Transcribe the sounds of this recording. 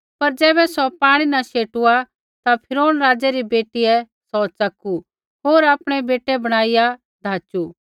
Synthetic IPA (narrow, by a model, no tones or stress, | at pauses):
pɐɾd͡ʒɛːβɛsɔpaːɽ̃inaʃeːʈua | t̪apʰɪɾoːnɾaːd͡ʒɛɾibeːʈijɛ | sɔt͡sɐku | ɦoːɾaːpɽ̃ɛbeːʈɛbɐɽ̃aːɪja | d̪ʱaːt͡ʃu